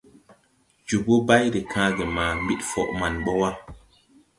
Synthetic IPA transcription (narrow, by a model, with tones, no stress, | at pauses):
d͡ʒu˨bo˦ba˦jɾe˨kʰãː˦ɡe˨mãː˨mbi˦tfɔ˨ʔma˨nɓɔ˦wa˦